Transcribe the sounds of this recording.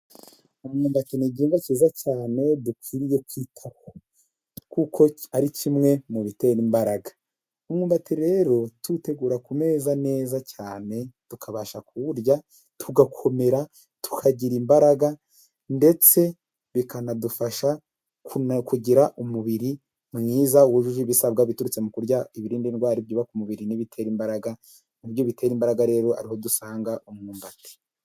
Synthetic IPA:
umŋuːmbatiniɟiːŋɡaciːzacaːne̞dukiːɾije̞kwiːtʰaho | kukʰo̞aɾicimŋe̞muβite̞ːɾimbaɾaɡa | umŋuːmbatiɾe̞ɾo̞tute̞ɡuːɾakume̞ːzane̞ːzacaːne̞tukʰaβaʃakuuɾja | tʰuɡakʰo̞me̞ɾa | tʰu̥kʰaɟiɾimbaɾaɡa | nde̞t͡se̞ | βikanadufaʃa | kkuɟiɾaʔumuβiɾi | mŋiːzauβuʒuʒuβisabɡaβituɾut͡se̞mukuɾɟaiβiɾiːndinɡwaːɾibjuːβakumuβiɾiniβitʰe̞ːɾimbaɾaɡa | nubjoβite̞ɾimbaɾaɡaɾe̞ːɾo̞a̰ɾiho̞dusaːŋɡaʔomŋuːmbati̥

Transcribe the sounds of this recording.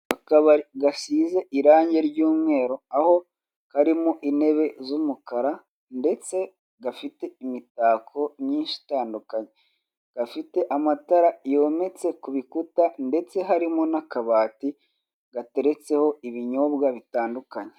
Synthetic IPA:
akaβaɾiɡasiːze̞ʔiɾaːɲɟe̞ɾɟuːmŋe̞ːɾo̞aho̞ | haɾimuʔine̞βe̞zumukaɾa | nde̞t͡se̞ | ɡafite̞imitaːkʰo̞mɲiːnʃi̥taːndukaɲe | ɡ̥afite̞ʔamataɾajo̞me̞t͡se̞kuβikutande̞t͡se̞ɦaɾimonakaβaːti | ɡ̥ate̞ɾe̞t͡se̞ho̞iβiɲoβɡaβitaːndukaɲe

